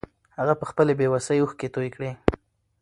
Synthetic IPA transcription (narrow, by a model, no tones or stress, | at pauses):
haɣapəxpəlebewasəjuxket̪ojkɽe